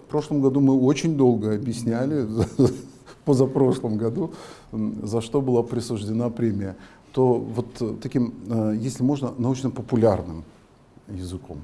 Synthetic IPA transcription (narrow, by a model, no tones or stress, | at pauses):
fpɾo̞ʂlˠəmɡɐd̪umɨo̞t͡ɕɪnʲd̪o̞lˠɡəɐbʲjɪsʲnʲælʲɪ | pozɐpɾo̞ʂlˠəmɡɐd̪u | zɐʂt̪o̞bɨlˠapɾʲɪsʊʐdʲɪnapɾʲemʲɪjə | t̪o̞vo̞t̪t̪ːɐkʲimjesʲlʲɪmo̞ʐnənɐut͡ɕnəpəpʊlʲarnɨm | jɪzɨko̞̰m